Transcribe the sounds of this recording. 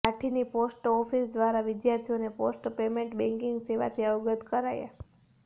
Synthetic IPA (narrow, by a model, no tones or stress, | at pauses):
aʈʰiniposʈɔfisd̪ʋaɾaʋɪd̪jaɾt̪ʰioneposʈpemẽɳʈbɛ̃ŋkɪŋɡseʋa̰t̪ʰiəʋɡət̪kəɾaja̰